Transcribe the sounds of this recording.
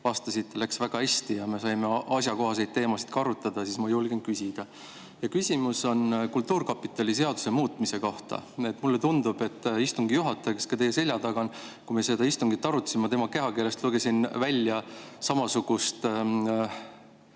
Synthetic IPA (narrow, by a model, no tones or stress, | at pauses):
vɑst̪ɑsit̪ːelæksvæɡ̥ɑhæsʲt̪ijɑme̞sɑjme̞ɑsʲjɑko̞ɦɑs̬e̞jd̪̚t̪ːe̞ːmɑsi̥t̪̚kɑɾut̪ːˑɑd̪̥ɑsismɑjulɡenkysʲid̪̥ɑ | jɑkysʲimuso̞nkult̪ːˑuːrkɑpːˑit̪ːˑɑlʲise̞ɑd̪u̥semuːt̪ˑmise̞ko̞ht̪ɑ̰et̪ːˑmulːet̪und̪ub̥e̞t̪ːist̪uŋɡijuɦɑt̪ːˑɑjkeskɑt̪e̞jːe̞se̞lʲjɑt̪ɑɡ̥ɑnkumese̞d̪ɑist̪uŋɡit̪ːɑɾut̪simɑt̪e̞mɑke̞ɦɑkele̞st̪luɡe̞sinvælʲːjɑsɑmɑsuɡ̥ust̪